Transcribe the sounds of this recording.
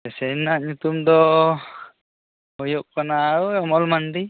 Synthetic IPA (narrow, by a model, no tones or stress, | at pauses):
ɛsɛnaʔɲut̪umd̪ɔ | ɔjɔʔ̚kɔnaːɽuɔmɔlmanɖi